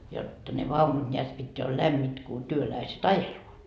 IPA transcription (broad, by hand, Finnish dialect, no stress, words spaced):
jotːɑ ne ʋɑunut nʲeæt pitːeæ ol læmːit ku tyølæiset ɑjeluot